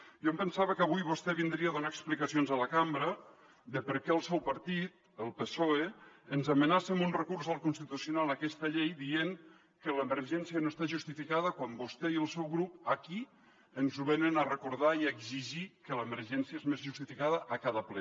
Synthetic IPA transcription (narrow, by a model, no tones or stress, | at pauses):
ʒompənsaβəkəβujβust̪ɛβind̪ɾiaðunaəksplikəsionzələkambɾə | ðəpəɾkɛəlˠsɛwpəɾt̪it̪̚ | əlˠpesoeənzəmənasəmunrəkurzəlˠkunst̪it̪usjunalˠəkɛst̪əʎejðieŋ | kələməɾʒɛnsiənoest̪aʒust̪ifikaðəkwambust̪ɛiəlˠsɛwɣɾupəki | ənzuβɛnənərəkuɾðaiəɡziʒikələməɾʒɛnsiəezmezʒust̪ifikaðəʔəkaðəplɛ